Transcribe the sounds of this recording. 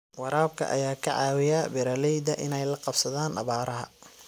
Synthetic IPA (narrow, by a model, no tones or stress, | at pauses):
wɑɾaːbkʰɐ̰ʔɐ̰jaːkʰɐʕɑːwɪjabɪɾɐlɛjd̪ɐʔɪnɛjlɐqɑbsɐðaːnɐ̰βaːɾɐɦɐ̰